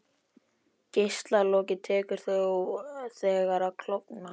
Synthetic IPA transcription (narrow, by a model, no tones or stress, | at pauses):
cejst̪lalɔːcɪt̪ʰɛːkʏɾ̥θœ | θɛːɣaɾakʰl̥ɔkna